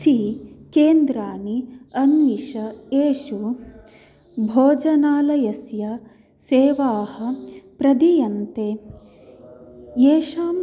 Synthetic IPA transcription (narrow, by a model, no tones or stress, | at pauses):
ʃikeːnd̪ɾaːniɐnmiʂɐeːʂu | bʱoːd͡ʒɐnaːlɐjɐsjɐ | seːʋaːhɐ̆pɾɐd̪ijɐnt̪eː | jeːʂaːm